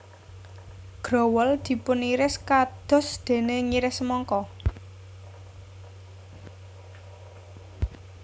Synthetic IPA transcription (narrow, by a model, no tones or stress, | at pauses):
ɡ̥ɾɔ̤wəld̪̥i̤pʊnːiɾɪskad̪̥ɔ̤sd̪̥e̤neŋiɾɪsmɔŋkɔ